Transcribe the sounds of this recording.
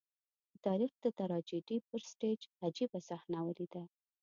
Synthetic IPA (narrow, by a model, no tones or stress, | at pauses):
ət̪ɑɾixd̪̥ət̪aɾɑd͡ʒiɖipəɾsʈed͡ʒad͡ʒibasaxnawəlid̪a